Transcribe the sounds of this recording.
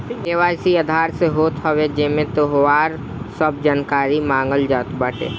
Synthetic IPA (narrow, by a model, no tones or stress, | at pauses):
eʋaːjsiəd̪ʱaːɾseɦoːt̪ɦɔwed͡ʒemẽt̪oɦʋaːɾ | səb̚d͡ʒaːnkaːɾimãːŋɡəld͡ʒaːt̪bəːʈʰḛː